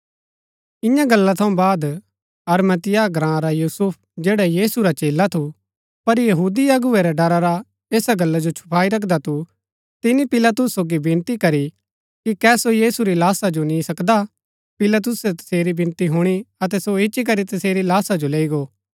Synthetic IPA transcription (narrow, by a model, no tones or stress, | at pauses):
ɪjãɡɐlːat̪ʰɐ̃ũbaːd̪ | ɐɾmɐt̪ɪjaɡɾãːɾajuːsʊp̚ʰd͡ʒeːɽajiːsuɾat͡ʃeːlat̪ʰu | pɐɾjɐɦuːd̪iɐɡʊɛɾaɖɐɾaɾa | eːsaɡɐlːad͡ʒot͡ʃʰʊ̥pʰaːiɾɐkʰd̪at̪ʰu | t̪ɪnipɪlat̪ʊsːoːɡibɪ̃nt̪ikɐɾi | kikɛːsojiːsuɾilaːsad͡ʒonĩsɐkd̪a | pɪlat̪̬ʊsɛt̪ɐ̥seːɾibɪ̃nt̪iɦuɽ̃iɐt̪ɛsoɪʃik̬ɐɾit̪ɐseːɾilaːsad͡ʒoleːiɡoː